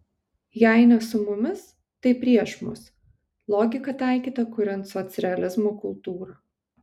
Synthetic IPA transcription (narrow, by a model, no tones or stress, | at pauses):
jæɪnʲɐsʊmʊmʲɪs | t̪ɐɪpʲɾʲiɛʃmʊ̰s | lˠɔːɡʲɪkɐt̪ɑˑɪkʲiːt̪ɐkʊɾʲɛnt̪sɔt̪sʲɾʲɛɐlʲɪzmoːkʊlˠt̪uːɾɐ